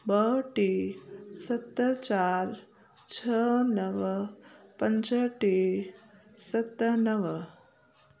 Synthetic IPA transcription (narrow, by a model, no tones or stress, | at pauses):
bəʈisət̪ːət͡ɕaɾ | t͡ʃʰənəʋ | pəɲd͡ʒəʈi | sət̪ːnəʋ